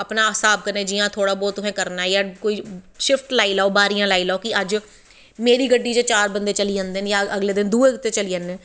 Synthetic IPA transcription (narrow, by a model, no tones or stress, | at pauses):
əpnaːsaːb̚kəɾnẽːd͡ʒijãːt̪ʰoːɽaːbɔːt̪ːʊsɛ̃ːkəɾnaːjaːkoːiː | ʃɪfʈlaːiːlaːoːbaːɾijãːlaːiːlaːoːkɪəd͡ʒ | meːɾiːɡəɖːiːd͡ʒeːt͡ʃaːɾbənd̪eːt͡ʃəliːãːnd̪enjaːəɡleːd̪ɪnd̪uːeːt̪eːt͡ʃəliːãːnẽː